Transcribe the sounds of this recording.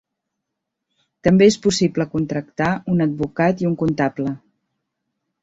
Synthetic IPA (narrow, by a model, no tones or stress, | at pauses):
t̪əmbeespusipləkunt̪ɾəkt̪aunəd̪̚bukat̪iuŋkunt̪aplə